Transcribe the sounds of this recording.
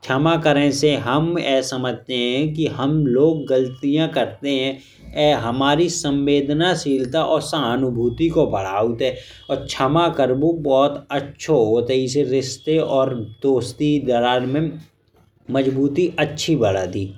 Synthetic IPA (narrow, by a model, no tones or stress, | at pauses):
t͡ʃʰəmakəɾẽseɦəmɛ̰ːsəməd͡ʒʱt̪eɦɛ̃k̬iɦəmloːɡːəlt̪ijãkəɾt̪eɦɛ̃ | ɛːɦəmaːɾisə̃mʋeːd̪nasiːlt̪aʔɔːɾsaːnʊbʱuːt̪ikobʱəɽ̤aːut̪ɦɛː | ɔːɾt͡ʃʰəmakəɾbubɔːt̪ətːʃʰoɦoːt̪ɛɪseɾɪst̪eɔːɾd̪̥oːst̪id̪ɐɾaːnmẽ | məd͡ʒbuːt̪iʔɐtːʃʰibəɽ̤aːd̪iː